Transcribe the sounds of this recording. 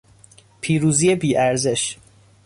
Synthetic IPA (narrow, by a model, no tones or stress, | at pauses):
pʰiːɾuːzijebiːʔæɾze̞ʃ